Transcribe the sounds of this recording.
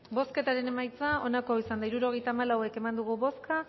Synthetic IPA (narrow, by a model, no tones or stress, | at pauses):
bo̞ske̞t̪aɾe̞ne̞majt͡sao̞nako̞isand̪aiɾuɾo̞ɣ̞e̞jt̪aːmalawe̞ke̞mand̪uɣ̞uβo̞ska